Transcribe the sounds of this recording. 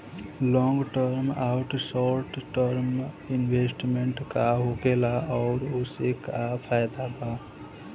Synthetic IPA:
lɔ̃ŋɡʈəɾmaʊʈsɔɾʈʈəɾm | inbʱesʈmeɳʈkaɦoɡelaɔʊɾosekapʰajd̪aba

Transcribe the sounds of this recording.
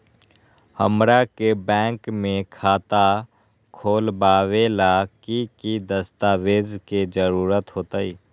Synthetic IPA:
hə̰mɾakebɛ̃ːŋkmẽkʰaːt̪a | kʰoːlbaːʋelakikid̪əst̪aːweːzked͡ʒəɾuːɾət̪ɦoːt̪aiː

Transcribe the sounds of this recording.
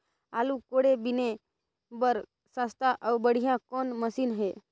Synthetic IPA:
alukoɽebine | bəɾ | sãst̪aʔawbəɽ̤ijãkonməsiːnɦe

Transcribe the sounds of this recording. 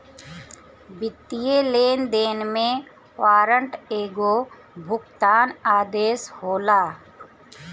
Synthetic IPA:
bɪt̪ːijeleːnd̪eːnmẽ | ʋaːɾəɳʈeːɡoː | bʱʊkt̪aːnaːd̪eːshoːlaː

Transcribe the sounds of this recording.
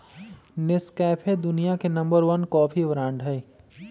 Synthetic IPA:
nɪskɛːpʰed̪ʊnijakenɐ̃mbəɾʋənkɔːpʰiʋəɾãːɳɖɦɛː

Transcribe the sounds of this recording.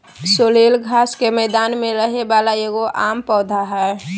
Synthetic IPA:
soːleːlɡʱaːskemɛːd̪aːnmẽɾəɦebalajeɡoʔaːmpɔːd̪ʱaɦɛ

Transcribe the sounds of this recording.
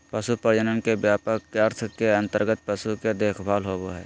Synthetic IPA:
pəsupəɾd͡ʒənənkebjaːpəkəɾt̪ʰkeɐ̃nt̪əɾɡət̪̚pəsuked̪eːkʰbʱaːlɦoːboɦɛ̰ː

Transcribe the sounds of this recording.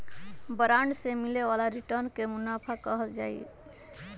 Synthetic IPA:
bəɾaɳɖsemileβalaɾiʈəɾnkemunapʰakəɦəld͡ʒa̰j

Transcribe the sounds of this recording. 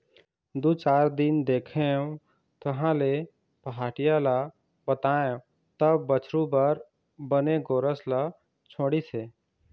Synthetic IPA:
d̪uːt͡ʃaːɾd̪ɪnd̪eːkʰeõ | t̪əɦãle | pəɦaːʈijala | bət̪aːj̃ | t̪əbːət͡ʃʰɾũbəɾ | bəneɡoːɾəsla | t͡ʃʰoːɽiseː

